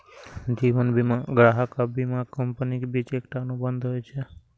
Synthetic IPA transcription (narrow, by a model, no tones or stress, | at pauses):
d͡ʒiʋənbimaɡɾaɦəkabimakəmpənikbit͡ʃekʈanũbənd̪ʱɦojt͡ʃʰe